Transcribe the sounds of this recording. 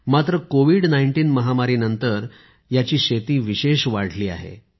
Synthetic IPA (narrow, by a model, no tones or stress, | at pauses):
mat̪ɾəkoʋiɽnaiɳʈiːnməɦamaɾiːnənt̪əɾ | jat͡ɕiːɕet̪iːʋiɕeɕʋaɽ̤liːa̰ɦḛ